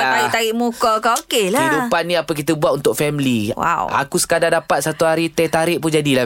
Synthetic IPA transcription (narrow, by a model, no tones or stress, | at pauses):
ait̪aɾiʔmukɔkaokelaidupanːĩapək̬it̪əbuat̪̚unt̪ʊk̚fɛmliwa̰wa̰kusə̥kadadapat̪̚sat̪uɦaɾit̪ɛt̪aɾɪʔpʊnd͡ʒadila